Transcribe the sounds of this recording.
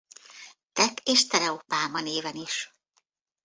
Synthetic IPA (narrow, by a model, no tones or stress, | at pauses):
t̪ɛkʰeːʃt̪ɛɾɛopaːmɒneːvɛniʃ